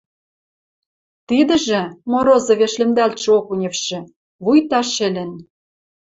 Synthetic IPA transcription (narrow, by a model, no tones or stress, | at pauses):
t̪id̪ɘ̆ʒĕmoɾozɤ̆βeʃlĕmd̪ælt̪ʃĕokunʲĕfʃĕ | βujt̪ɑʃĕlʲɘ̆n